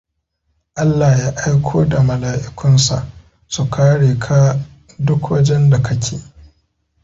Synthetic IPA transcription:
ʔa˦lːaː˨jaː˦ʔa˦jkʷʰoː˦da˨mɐ˨laː˨ʔɪ˨kʷʊ˦nsa̰˨ʔ | su˨kʰaː˦ɽeː˨kʰa˦ | dʊ˦kwɐ˦d͡ʒɛ˦nda˨kʰɐ˦kʲʰḛː˨

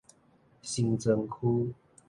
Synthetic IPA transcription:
ɕi˧ŋt͡sə˧ŋkʰu˦

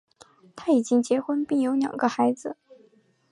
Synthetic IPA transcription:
t̪ʰa˥i˨˩t͡ɕi˥ŋt͡ɕjɛ˧˥xwə˥npi˥˩ŋjo˧˥ʊljɑ̰˨˩ŋɡə˦xa˧˥ɪd͡zɹ̩˧

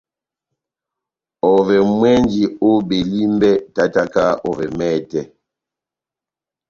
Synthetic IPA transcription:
ɔ˨vɛ˨mwɛ˦nd͡ʒi˨o˦be˨li˦mbɛ˦ta˦ta˦ka˦ɔ̰˨vɛ̰˨mɛː˦˨tɛ˦

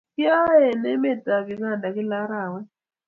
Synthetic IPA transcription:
ki˦a˦ɛ˨nɛ˦mɛ˦˨tʼa˨βi˨ka˦˨nda˨ki˦la˦ɾaː˨wɛ˦

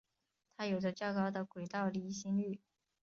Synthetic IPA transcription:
t̪ʰa˥jo˨˩ʊʈ͡ʂə˧t͡ɕjɑ˥˩ʊkɑ˥ʊd̪ə˨kwe˨˩ɪt̪ɑ˥˩ʊli˧˥ɕi˥ŋy˥˩

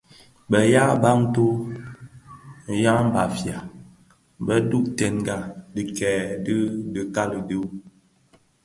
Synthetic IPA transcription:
bɛ˨ja˦ba˦ŋto˦ | ja˦m˦ba˨fja˨ | bɛ˦du˦ʔtɛ˨nɡa˦di˦kɛː˨də˦də˨ka˦lə˨di˦

